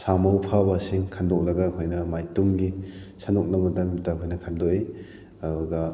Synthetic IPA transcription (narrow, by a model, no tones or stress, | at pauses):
samawpʰabasiŋkʰandɔk̚lɐɡakʰɔjnɐmajtumɡisanɔk̚namɐdamtːakʰɔjnɐkʰandɔi | aduɡɐ